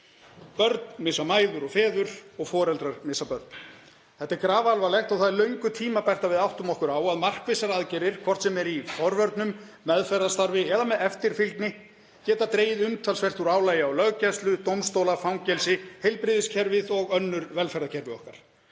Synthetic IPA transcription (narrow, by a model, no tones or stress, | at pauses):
pœɾt̪nmɪsamaːjðʏɾɔɣfɛːðʏɾɔɣfɔːɾɛlt̪ɾaɾmɪsapœɾt̪̚n | θɛht̪ːaɾkɾaːvalvalɛjxt̪awθaðlœɥŋkʏt̪ʰiːmapajr̥t̪avɪðawht̪ʏmɔhkʏɾaːwaðmar̥kvesaɾaːðcɛɾɪɾ̥kʰvɔr̥t̪sɛmɛɾifɔɾvœɾt̪nʏmː | ɛðfɛɾðast̪aɾvɪɛðamɛðɛft̪ɪɾ̥filk̪nɪ | cɛːt̪at̪ɾeːjɪðʏmt̪ʰalsfɛr̥t̪uɾaːwlaːjaɔwlœɣcɛst̪lʏt̪owmst̪owlafawŋcɛlsɪhejlpɾɪðɪscʰɛɾvɪðɔɣœnːʏɾvɛlfɛɾðacʰɛɾvɪɔhkaɾ̥